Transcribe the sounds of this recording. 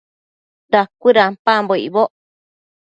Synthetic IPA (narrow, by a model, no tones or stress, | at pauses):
ɾakʷiɾampamboḭβoʔ